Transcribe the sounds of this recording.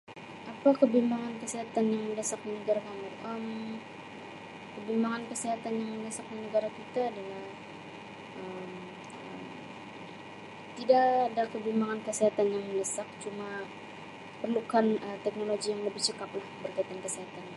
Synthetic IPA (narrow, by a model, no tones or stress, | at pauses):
ʔapakəbimbaŋankəsiɦat̪anjaŋməndəsak̚dinəɡaɾakamuʔəm | kəbimaŋankəsiɦat̪anjaŋməndəsak̚dinəɡaɾakit̪aːdalah | ʔəm | əm | t̪idaʔadakəbimbaŋankəsiɦat̪anjaŋmənəsak̚t͡ʃuma | pərlukanət̪ɛk̚noloɡijaŋləbɪht͡ʃəkaplahbərkait̪ankəsiɦat̪ana